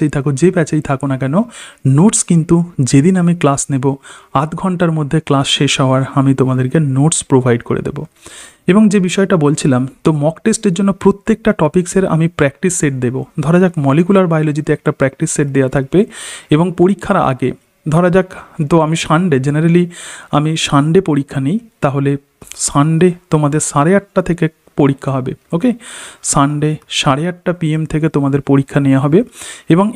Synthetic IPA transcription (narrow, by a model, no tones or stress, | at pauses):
ait̪ʰakod͡ʑebɛt͡ɕaijt̪ʰakonakɛnonoʈskint̪ud͡ʑed̪inamiklasneboat̪ɡʱɔɳʈaɾmod̪ʱːeklasʃeʃɦaoaɾamit̪omad̪eɾkenoʈspɾobʱajɖkoɾḛd̪ḛbo̰ | eboŋd͡ʑebiʃɔeʈabolt͡ɕʰilamt̪omɔkʈesʈeɾd͡ʑonːopɾot̪ːek̚ʈaʈɔpikseɾa̰mipɾɛkʈisːeʈ̚d̪ebod̪ʱɔɾad͡ʑakmɔlikulaɾbajlod͡ʑit̪eɛk̚ʈapɾɛk̚ʈisːeʈ̚d̪eat̪ʰak̚beeboŋpoɾikʰːaɾaʔa̰ɡe | d̪ʱɔɾad͡ʑakt̪oamiʃaɳɖed͡ʑeneɾaliamiʃaɳɖepoɾikʰːanejt̪aɦole | ʃaɳɖet̪omad̪eɾʃaɽeaʈːat̪ʰeke | poɾikʰːaɦɔbeokeʃaɳɖeʃaɾeaʈːapiemt̪ʰek̬et̪omad̪eɾpoɾikʰːanejaɦɔbeeboŋ